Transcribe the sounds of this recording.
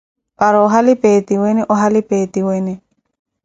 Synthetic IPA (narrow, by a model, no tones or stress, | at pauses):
paɾɔɔɦalɪpet̪iwɛnɛʔɔɦalɪpet̪iwɛnɛ